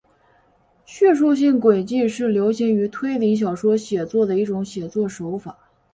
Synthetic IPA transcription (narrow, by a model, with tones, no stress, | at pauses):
ɕɥɛ˥˧ʂu˥˧ɕ̬i˥˩ŋkwe˨˩ɪt͡ɕi˥˧ʂɻ̩˥˩ljo˧˥ʊɕɛ˧˥ny˧˥t̪ʰwe˥ɪli˧˥ɕ̬jɑ˨˩ʊʂwɔ˥ɕjɛ˨˩t͡swɔ˥˩d̪ə˩i˥˩ʈ͡ʂʊ˧˥ŋɕjɛ˨˩t͡swɔ˥˩ʂo˧˥ʊfa˨˩˦